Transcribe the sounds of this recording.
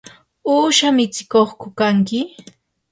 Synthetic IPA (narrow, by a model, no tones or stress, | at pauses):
uːʃamɪt͡sɪ̥koχkʊkaŋkɪ